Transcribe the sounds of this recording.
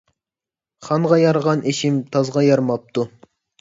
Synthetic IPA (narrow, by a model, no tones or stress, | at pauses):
χɑɴʁɑjɑɾʁɑnʔeʃimt̪ʰɑzʁɑjɑɾmɑp̚t̪u